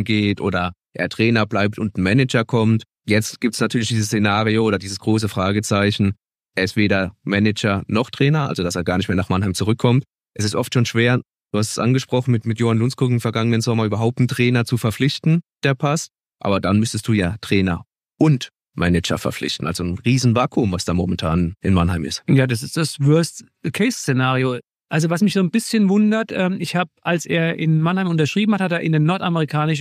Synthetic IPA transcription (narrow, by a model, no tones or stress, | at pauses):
nɡeːtʔoːɾɐʔḛːɐtʁ̥ɛːnɐblaɪp̚tʊntn̩mɛnɛd͡ʒɐkʰɔmt | jɛt͡stɡ̥iːp̚tsnatʰyːɐlɪçd̥iːzəst͡sːenaːʁiooːɾɐdiːzəsɡ̥ʁoːs̬əfʁ̥aːɡət͡saɪçn̩ | ʔeːɐɪstv̥eːɾɐmɛnɛd͡ʒɐnɔχtʁ̥ɛːnɐʔa̰lzodaseːɐɡaːɐnɪçtmeɐnaːχmanhaɪmt͡suʁʏkʰːɔmt | ʔɛsɪstʔɔftʃoːnʃv̥eːɐ | d̥uːhastsʔa̰nɡəʃpʁ̥ɔχn̩mɪtmɪtjoːhanlʊnskʊkɪmfɛɐɡaŋənənzɔmɐyːbɐɦaʊp̚tn̩tʁ̥ɛːnɐt͡sufɛɐflɪçtn̩d̥eːɐpʰas | ʔa̰ːbɐdanmʏstəstd̥uːjaːtʁ̥ɛːnɐ | ʔʊnt | mʔɛnɛt͡ʃɐ̰fɛɐflɪ̰çtn̩alz̥onʁiːzn̩vaːkʰʊmvasd̥aːmomɛntʰaːnʔɪnmanhaɪmɪ̰stjaːdas̬ɪstd̥asvœɐst | kʰɛːst͡senaːʁio | ʔalzovasmɪçz̥oːnbɪsçənvʊndɐtʔɛːmɪçhaːbəʔalsʔḛːɐʔɪnmanhaɪmʊntɐʃʁ̥iːbm̩hathateːɐʔɪndeːnɔɐtaməʁikʰaːnɪʃ